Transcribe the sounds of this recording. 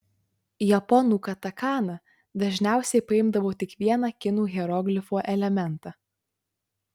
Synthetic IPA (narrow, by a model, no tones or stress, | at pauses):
jɛpɔnuːkɐt̪ɐkɑːnɐ | d̪ɐʒʲnʲæˑʊsʲɛɪpɐɪmd̪ɐʋoːt̪ʲɪkʋʲiɛnɐkʲɪnuːɣʲɛɾɔɡlʲɪfoːʔɛlʲɛmʲɛnt̪ɑː